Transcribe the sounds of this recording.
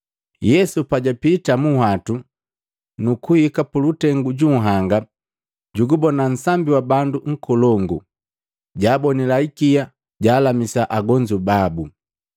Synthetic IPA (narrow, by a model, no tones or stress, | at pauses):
jɛsupaɟapitamuhwatu | nukuhikapulutɛŋɡuɟuŋ̩ɦaŋɡa | ɟuɡubɔnan̩sambiwabanduŋ̩kɔlɔŋɡu | ɟaːbɔnilaikija | ɟaːlamisaʔaɡɔɲd͡ʒubabu